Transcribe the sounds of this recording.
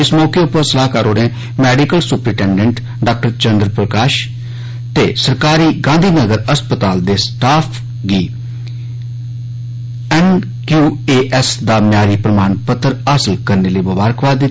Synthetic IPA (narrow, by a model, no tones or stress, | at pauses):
ɪsmɔːkeːʊpːəɾsəlaːkaːɾoːɾẽː | mɛːɖiːkəlsʊpɾɪːʈɛːɳɖəɳʈ | ɖaːk̚ʈəɾt͡ʃə̃nd̪ɾpɾəkaːʃ | t̪eːsəɾkaːɾiːɡãːnd̪ʱiːnəɡəɾəspət̪aːld̪eːsʈaːpʰ | ɡiː | ɛːn | kjuːeːʔɛsd̪aːmnjaːɾiːpɾəmaːnpət̪ːɾaːsəlkəɾneːləiːbəbaːɾəkʰʋaːd̪ɪ